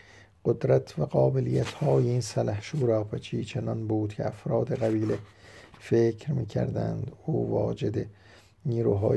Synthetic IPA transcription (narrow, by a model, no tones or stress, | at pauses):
ɢ̥od̪ɾæt̪ʰvæɡɒːbelijæt̪hɒːjeinsælæhʃuːɾɒːfet͡ʃʰiːt͡ʃʰenɒnbuːd̪̥cʰḛæfɾɒːd̪e̞ɣæbiːlefekʰɾmiːcʰæ̰ɾd̪æ̰nd̪uːvɒ̰ːd͡ʒed̪e | niːɾuːɦɒ̰ː